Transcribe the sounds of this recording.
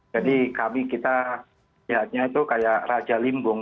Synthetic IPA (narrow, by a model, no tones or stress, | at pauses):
d͡ʒadikamikit̪a | liɦat̪̚ɲait̪ukajaʔrad͡ʒalimbʊŋ